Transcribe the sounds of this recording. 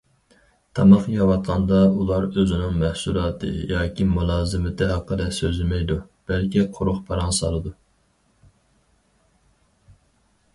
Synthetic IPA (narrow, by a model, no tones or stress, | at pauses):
t̪ʰɑmɑχjɑwɑt̪qʰɑnd̪ɑulˠɑɾøzɪnɪŋmɛhsulˠɑːt̪ʰɨ̰jɑːkʲʰimulˠɑːzɨmɪd̪ɛɑqʰːəlɛsøzlɪmɛjd̪ub̥ælkʲʰiqʰoɾʊχpʰɑɾɑŋsɑ̰lˠɨd̪u